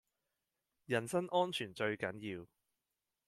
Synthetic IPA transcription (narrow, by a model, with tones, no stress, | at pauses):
jɐ˨˩nsɐ˥ŋʔɔː˥nt͡ʃʰyː˨˩nt͡ʃɵ˧ɥkɐ˨˥njiː˧w